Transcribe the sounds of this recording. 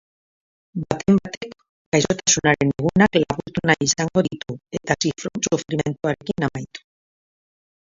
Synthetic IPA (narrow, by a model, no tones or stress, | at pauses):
bat̪e̞mbat̪e̞kː | ajso̞t̪asunaɾe̞neɣunaklaβuɾt̪unajisaŋɡo̞ðit̪ue̞t̪asifɾonsufɾime̞nt̪uaɾe̞kinamajt̪u̥